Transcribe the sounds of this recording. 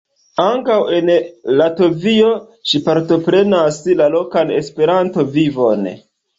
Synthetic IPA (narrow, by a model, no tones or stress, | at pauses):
aŋkawe̞nlato̞vio̞ | ʃipaɾto̞pɾe̞naslalo̞kane̞̰spe̞ɾanto̞vivo̞n